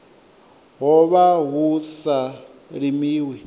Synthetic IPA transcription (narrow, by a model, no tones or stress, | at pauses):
ɦɔβaɦusa | ɺimiːwi